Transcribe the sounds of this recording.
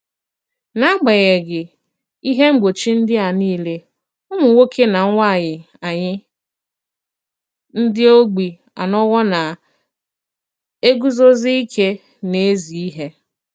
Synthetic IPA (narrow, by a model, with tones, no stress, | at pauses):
na˦ɡ͡ba˨ɣe˨ɡɪ˨ | i˦ɦe˦ŋ͡m̩˦ɡ͡bo˨t͡ʃi˦n̩˦dɪ˦a˨niː˦le˦ | ʊ˦mʊ˨ŋʷo˦kʰe˦na˨ŋ̩ʷ˦a˦˨ɲɪ˨ | a˨ɲɪ˦ | n̩˦dɪ˦o˦ɡ͡bi˨ | a̰˨nɔ˦ɣɔ˦na˨ | e˦ɡu˦zo˦zi˦i˦kʰe˦ | ne˨e˦zi˨i˦ɦe˦